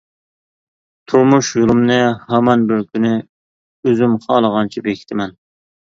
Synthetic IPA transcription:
t̪ʰuɾmuʃjulˠumnɨhɑmɑnbɪɾkʲʰynɪ | øzymχɑːlˠəʁɑnt͡ʃʰibekʲʰɪ̥t̪ʰɪmɛn

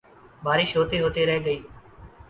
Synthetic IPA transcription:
bʱaːɾiːʃɦoːt̪iːɦoːt̪iːɾəɦeːɠəiː

